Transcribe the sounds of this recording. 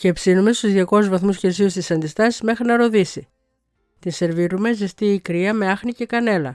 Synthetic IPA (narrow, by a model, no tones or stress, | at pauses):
cepsinume̞st̪uzðʝɐko̞zvɐθmusçeɾs̬iust̪isɐnd̪ist̪ɐsizme̞xɾinɐɾo̞ðisi | t̪inse̞ɾviɾume̞zist̪iːkɾiɐme̞ɐxnice̞kɐne̞lɐ̰